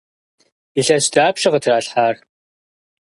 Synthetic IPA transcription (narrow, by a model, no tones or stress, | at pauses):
iɬɐɕdaːpɕɪʁətʰraːɬħaːr